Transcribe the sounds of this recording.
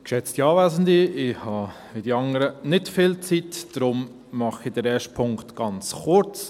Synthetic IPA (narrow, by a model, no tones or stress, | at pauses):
kʃɛt͡stiɑːʋæzəndiɪhɑ | ʋidiɑŋəɾənɪtfɪlt͡sitd̥ɾʊm | mɑχid̥ɛɾɛːʃt̚pʰʊŋktɡ̥ɑnt͡sχʊɾt͡s